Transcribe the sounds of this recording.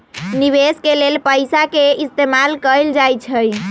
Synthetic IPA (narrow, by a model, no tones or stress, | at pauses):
niβeskelelpəjsakeist̪emalkəld͡ʒajt͡ʃʰəj